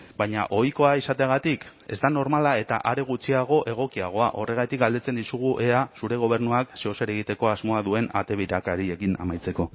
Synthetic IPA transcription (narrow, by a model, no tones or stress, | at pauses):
baɲaʔo̞jko̞aisat̪eaɣ̞at̪ik | e̞zd̪ano̞ɾmalae̞t̪aʔaɾe̞ɣ̞ut͡siaɣ̞o̞ʔe̞ɣ̞o̞kiaɣ̞o̞aʔo̞re̞ɣ̞at̪ik̚ɡald̪et͡se̞nd̪isuɣ̞uʔe̞asuɾe̞ɣ̞o̞β̞e̞ɾnuakseoseɾe̞ɣit̪e̞ko̞azmo̞aðue̞na̰t̪e̞βiɾakaɾiekina̰majt͡se̞ko̞